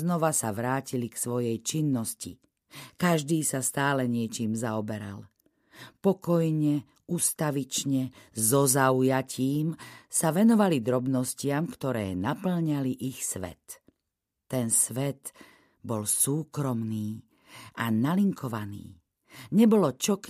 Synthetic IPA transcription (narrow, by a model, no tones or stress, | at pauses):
znɔʋasaʋɾaːciliksʋɔjɛjt͡ʃinːɔscḭ | kaʒd̪iːsast̪aːlɛɲɪɛt͡ʃiːmzaɔbɛɾa̰l | pɔkɔjɲɛ | ust̪aʋit͡ʃɲɛzɔzaujaciːmsaʋɛnɔʋalid̪ɾɔbnɔscɪamkt̪ɔɾɛ̰ːnapl̩ɲaliʔixsʋɛ̰t̪ː | ɛnsʋɛt̪ | bɔlsuːkɾɔmniː | analiŋkɔʋanḭː | ɲɛbɔlɔt͡ʃɔk